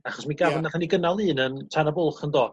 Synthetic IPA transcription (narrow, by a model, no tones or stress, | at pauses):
aχɔsmiɡavnaθaniɡənalˠɨːnəntʰanabʊlˠχəndɔː